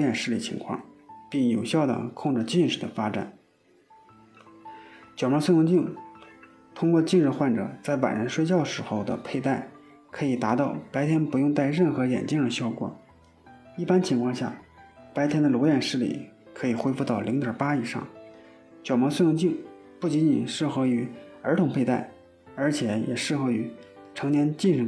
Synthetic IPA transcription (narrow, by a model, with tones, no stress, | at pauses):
jɛ˨˩nʂɻ̩˥˩lḭ˨˩t͡ɕʰḭ˧˥ŋkʰwɑ̰˥˧ŋpi˥˩ŋjo˨˩ʊɕjɑ˥˩ʊd̪ə̰˩kʰʊ˥˧ŋʈ͡ʂɻ̩˥˧t͡ɕi˥˧nʂɻ̩˥˩d̪ə˩fa˥ʈ͡ʂa̰˨˩˦n | t͡ɕjɑ˨ʊmɑ˧˥swjʊ˥˧ŋt͡ɕi˥˩ŋ | t̪ʰʊ˥ŋkwɔ˥˧t͡ɕi˥˧ʂɻ̩˥˩xwa˥˩nʈ͡ʂɤ̰˨˩t͡sa˥˩ɪʋa̰˨˩ɻə˧˥nʂwe˥˧ɪt͡ɕjɑ˥˩ʊʂɻ̩˧˥xo˥˧˩ʊd̪ə̰˩pʰe˥˧ɪt̪a˥˩ɪ | kʰɤ˧˥i˨˩t̪a˧˥t̪ɑ˥˩ʊpa˧˥ɪt̪ʰjɛ˥npu˧˥jʊ˥˧ŋt̪a˥˧ɪɻə˥˩nxɤ˧˥jɛ̰˨˩nt͡ɕi˥ŋə˧˩ɕjɑ˥˩ʊkwɔ̰˨˩˦ | i˥˩pa˥nt͡ɕʰi˧˥ŋkʰwɑ˥˧ŋɕja̰˥˩pa˧˥ɪt̪ʰjɛ˥nd̪ə˨˩lwɔ˧˥jɛ˨˩nʂɻ̩˥˩lḭ˨˩kʰɤ˧˥i˨˩xwe˥ɪfu˧t̪ɑ˥˩ʊli˧˥ŋt̪ə˞˨˩pa˥i˨˩ʂɑ̰˥˩ŋ | t͡ɕjɑ˨˩mɑ˧˥ŋswjʊ˥˧ŋt͡ɕi˥˧ŋ | pu˥˩t͡ɕi˧˥nt͡ɕi˨˩nʂɻ̩˥˩xɤ˧˥y˧˥ə˞˧˥t̪ʰʊ˧˥ŋpʰe˥˧ɪt̪a˥˩ɪ | ə˞˧˥t͡ɕʰjɛ˧˩˥jɛ̰˨˩ʂɻ̩˥˩xo˧˥ʊy˧˥ | ʈ͡ʂʰɤ˧˥ŋnjɛ˥nt͡ɕi˥˧nɻ̩˥˩